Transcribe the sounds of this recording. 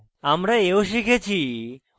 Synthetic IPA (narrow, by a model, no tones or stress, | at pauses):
amɾeeuʃikʰet͡ʃʰi